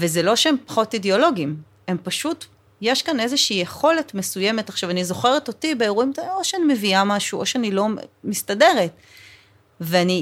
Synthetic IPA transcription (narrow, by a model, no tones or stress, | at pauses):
vezelo̞ʃeempḁχo̞tideo̞lo̞ɡim | e̞mpaʃut | jeʃkane̞zeʃiːjeχo̞le̞tme̞suje̞metaχʃavanizo̞χe̞ʁeto̞tibe̞ːʁuimoʃeanime̞viamaʃuʔoʃeanilo̞mistade̞ʁe̞t | veani